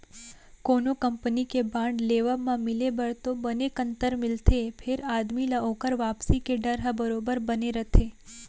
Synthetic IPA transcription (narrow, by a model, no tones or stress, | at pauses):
konokəmpənikebãɳɖleʋəmãmɪlebəɾt̪obənekənt̪əɾmɪlt̪ʰepʰeɾad̪milaokəɾʋapsikeɖəɾɦəbəɾobəɾbəneɾət̪ʰe